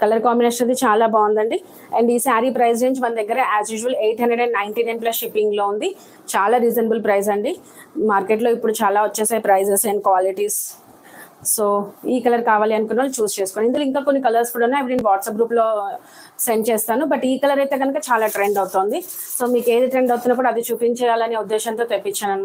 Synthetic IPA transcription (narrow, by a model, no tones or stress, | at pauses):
kɐlɐɾkaːmjuneːʂɐnɐt̪̬it͡ʃaːlaːbaːund̪ɐɳɖi | ɛ̰ːɳɖiːsaːɾiːpɾɐjsɾeːɲd͡ʒmɐnd̪ɐɡːɐɾɐʔæːzjuːd͡ʒuʋɐleːʈɦɐnɖɾeɖɐnnːɐjɳʈiːnɐjnplɐsʃipːiŋɡloːund̪i | t͡ʃaːlaːɾiːd͡ʒɐnɐbulpɾɐjsɐɳɖi | maːɾkeʈlo̞ːipːuɽut͡ʃaːlaːʋɐt͡ʃːeːsaːpɾɐjzesɐɳɖkʋaːliʈis | oːiːkɐlɐɾkaːʋaːliɐnkunʋaːlit͡ʃuːst͡ʃeːsu̥koːɳɖind̪uliŋkaːkonːikɐlɐɾskuːɽɐnaːeʋɾiːnʋaːʈsɐp̚ɡɾuːplo̞ː | sent͡ʃɛːst̪aːnubɐʈiːkɐlɐɾɐjt̪e̞ːɡɐnukɐt͡ʃaːlaːʈɾeɳɖɐwut̪oːnd̪i | so̞ːmiːke̞ːd̪iʈɾeɳɖɐwt̪unːaːkuːɽaːd̪it͡ʃupiɲt͡ʃɛːjaːlɐneːud̪ːɛːʃɐnt̪o̞ːt̪epːit͡ʃːaːnɐn